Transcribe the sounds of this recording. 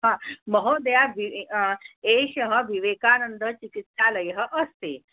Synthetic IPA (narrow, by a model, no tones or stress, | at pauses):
ɦãməɦod̪əjaʋi | eɕəɦəʋiʋekanənd̪ət͡ʃikit̪saləjɦəʔəst̪ḛ